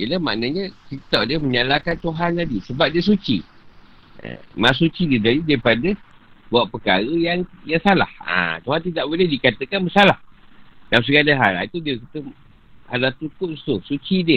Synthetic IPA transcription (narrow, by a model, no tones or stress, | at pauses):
iəlama̰ʔnaɲəkit̪awdiəməɲalakant̪uɦanladisəbap̚diəs̬ut͡ʃḭ | ə̰masut͡ʃididalidaɾipadə | buaʔ̚pəkaɾəjaŋjaŋsala̰ha̰t̪uɦant̪idaʔbolɪhdikat̪əkanbəsalahdaws̬əɡalaɦa̰la̰it̪udiəkit̪ə | a̰lat̪ukʊʔ̚st̪usut͡ʃidiə